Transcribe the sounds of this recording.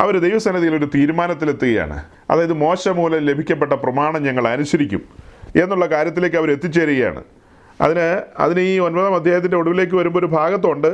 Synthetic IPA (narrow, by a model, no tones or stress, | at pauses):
ɐ̰ʋɐɾud̪ejʋɐsɐnɐðijilo̞ɾut̪iːɾumaːnɐt̪ːile̞t̪ːuɣɐja̰ːɳɨ̰ | ɐ̰ðaːjɐðɨmo̞ːɕɐmuːlɐmle̞bʱikʲːɐpːeʈ̬ːɐprɐmaːɳɐmɲɐŋːɐɭɐnuɕɐɾikʲːṵme̞nːuɭːɐkaːɾjɐt̪ːile̞ːkːɨɐʋɐɾe̞t̪ːit͡ɕːeːɾiɣɐja̰ːɳɨ̰ | ɐ̰ðinɨɐ̰ðinɨiːonbɐðɐmɐd̪ʱjaːjɐt̪̬ːindeoɽuʋile̞ːk̬ːɨʋɐɾumboɾubʱaːɡɐt̪̬ːo̞ɳɖɨ